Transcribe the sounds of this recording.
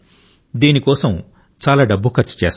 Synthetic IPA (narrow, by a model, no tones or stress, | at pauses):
d̪iːnikɔːsɐm | t͡ʃaːlaːɖɐbːukʰɐɾt͡ʃu̥t͡ʃɛːs